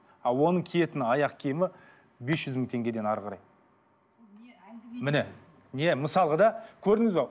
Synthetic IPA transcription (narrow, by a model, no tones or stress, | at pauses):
ɑlˠwo̞nəɴkʲʰije̞t̪ɪnɑjɑqkʲʰemɪ | be̞sʒ̥ʏzməŋt̪ʰe̞ŋɡʲe̞d̪e̞nɑɾʁqɑɾɑj | mɪne | neməsɑlˠəʁəd̪ɑkʲʰɵɾd̪ɪŋɪzbe